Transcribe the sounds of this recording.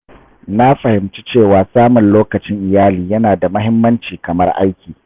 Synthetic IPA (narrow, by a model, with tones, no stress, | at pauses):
na˦ɸɐ˨hɪ˨mt͡ʃi̥˦t͡ʃeː˦˨waː˨saː˦mʊ˨nloː˦kɐ˨t͡ʃɪ˦ŋʔɪ˨jaː˦liː˨jɐ˦naː˨da˨mɐ˦ɦɪ˦mːɐ˦nt͡ʃiː˨kɐ˨mɐ˦rʔa̰˦jkʲiː˨